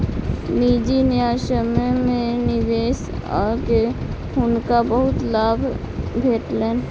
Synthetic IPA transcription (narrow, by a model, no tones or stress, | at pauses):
miːd͡ʒinɪjaːʃəmmẽnɪʋeːs | ɔ̰ːɾke | ʊnkabəɦʊt̪laːbʱ | bʱeːʈlɛːn